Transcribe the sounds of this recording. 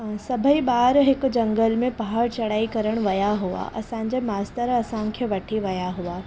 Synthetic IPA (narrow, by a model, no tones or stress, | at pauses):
ɦsɐbʱəiɓaːɾɦɪkd͡ʑɐ̃ŋɡəlmẽpɐɦaɾt͡ɕɐɽaːikɐɾəɽ̃ʋɐjaɦua̰ʔɐ̰sãɲ̆d͡ʑemaːst̪əɾɐsãkʰeːʋɐʈʰiʋɐjaɦuaː